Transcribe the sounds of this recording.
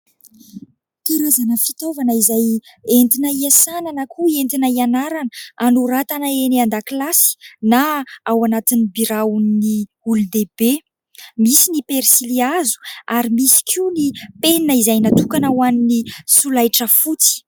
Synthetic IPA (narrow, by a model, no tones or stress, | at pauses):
t̪uɾazanəfit̪ovanəizajent̪inaiasananəkʰuent̪inaianaɾanəanuɾat̪anaeneand̪aklasi̥naawanat̪inibiɾaunni | ulud̪ebe | misinipeɾsiliazu̥aɾimisi̥kʰinipeninəizajnat̪ukanawaninisulajʈ͡ʂəfut͡si̥